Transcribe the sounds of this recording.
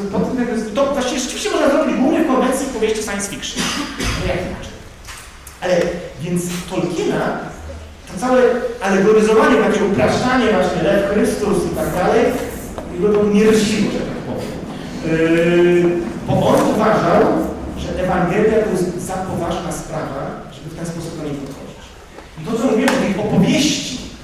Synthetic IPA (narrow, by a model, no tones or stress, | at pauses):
pɔt̪ɛmt̪aɡɔst̪ɔvwaɕt͡ɕivʲjɛʐɛt͡ʃɨviɕt͡ɕɛmɔʐnazɾɔbʲid͡ʑɡwuvɲɛkɔnd̪ɛnsjipɔvjeɕt͡ɕfsajɛnsfʲikʂɨnnɔjakʲina̰t͡ʂɛ̥j | ʔalɛvʲjɛnt̪st̪ɔlkʲʰina | t̪ɔt̪sawɛalɛɡɔɾɨzɔvaɲɛt̪akʲɛupɾaʂtaɲɛvwaɕɲɛlɛfkɾɪpst̪usit̪aɡd̪alɛj | jɛɡɔd̪ɔmuɲɛɾʊɕlʲiwɔʐɛt̪akpɔvʲjɛm | bɔʔɔnuvaʐawʐɛʔɛvaŋɡɛlʲjat̪ɔjɛst̪zapɔvaʐnaspɾavaʐɛbɘft̪ɛnspɔsu̥pd̪ɔɲejpɔxɔ̰d͡ʑit͡ɕ | it̪ɔt̪sɔmuvʲiwɛmɔt̪ɛjʔɔpɔvʲjeɕt͡ɕi